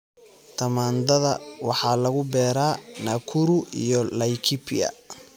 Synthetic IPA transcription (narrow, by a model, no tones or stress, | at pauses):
t̪ʰɐmaːnd̪ɐðɐ̰wɑħɑːlɐɣʊbɛːɾaːnɐkʰuɾuḭjɔlɐjkʰipʰiɐ̰